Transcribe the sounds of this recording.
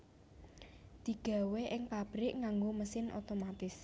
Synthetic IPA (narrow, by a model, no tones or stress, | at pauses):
d̪̥i̤ɡ̥a̤weʔɪŋpab̥ɾɪʔŋaŋɡoməsɪnʔo̰t̪omat̪ɪs